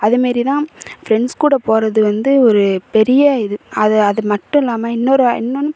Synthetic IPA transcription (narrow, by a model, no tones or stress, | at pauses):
ɐðɯmaːd̪ɾit̪ãːfɾɛɳskuːɽɐpoːɾɐðɯʋɐnd̪ɯɔɾɯpɛɾɪjɐɪðɯɐðɐɐðɯmɐʈːʊ̃ɛlːaːmɐɪnːɔɾɯɪ̰nːonːʊ